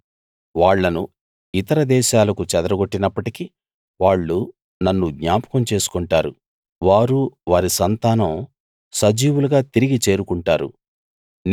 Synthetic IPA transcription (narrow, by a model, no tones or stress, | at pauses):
ʋaːɭːɐnu | it̪ɐɾɐd̪ɛːʃaːlɐkut͡ʃɛd̪ɾɐɡoʈːinɐpːɐʈiki | ʋaːɭːu | nɐnːuɡɲaːpɐ̥kɐmt͡ʃe̞ːsu̥kuɳʈaːɾṵ | ʋaːɾuʋaːɾisɐnt̪aːnɐm | sɐd͡ʒiːwuluɡaːt̪iɾiɡit͡ʃe̞ːɾukuɳʈaːɾṵ | n